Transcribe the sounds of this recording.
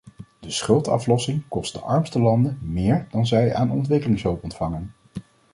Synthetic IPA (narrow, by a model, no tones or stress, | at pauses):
d̥əsχɵlˠtɑ̰flɔsɪŋkɔst̚də̰ʔɑɹmstəlɑndəmɪːɹdɑnzɛja̰ːnɔ̰ntʋɪkəlɪŋsɦɵwpɔntfɑŋən